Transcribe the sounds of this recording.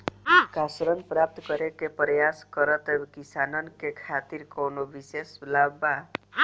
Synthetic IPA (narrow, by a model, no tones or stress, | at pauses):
kasɾənpɾap̚t̪kəɾekepɾəjaskəɾət̪ebkisanənkekʰat̪iɾkonobisesblabba